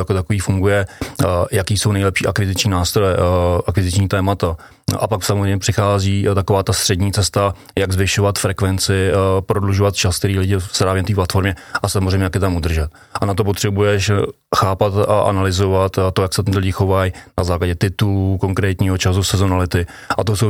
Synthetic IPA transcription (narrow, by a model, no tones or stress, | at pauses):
jakot̪akoviːfuŋɡujɛ | jakiːso̞wnɛjlɛpʃiːʔakvɪzɪt͡ʃɲiːnaːst̪ɾojɛʔakvɪzɪt͡ʃɲiːt̪ɛːmat̪a | ʔa̰paksamozrejmɲɛpr̥ɪxaːziːt̪ako̞vaːt̪ast̪r̥ɛdɲiːt͡sɛst̪a | jaɡzvɪʃo̞vat̪fɾɛkvɛnt͡sɪpɾodluʒovat̪t͡ʃask̚t̪ɛɾiːlɪɟɪspɾaːvjɛnat̪̬iːplat̪fo̞ɾmɲɛʔasamozrɛjɲɛjakjɛt̪amud̪r̩ʒɛt̪ | ʔanat̪o̞p̬ot̪r̥ɛbujɛʃ | xaːpat̪aʔa̰nalɪzo̞vat̪t̪ːojaksɛt̪ɪt̪lɪɟɪxo̞vajnazaːklaɟɛt̪ɪt̪ulukoŋkɾɛːt̪ɲiːɦot͡ʃas̬usɛzo̞nalɪt̪ɪ | ʔa̰t̪oso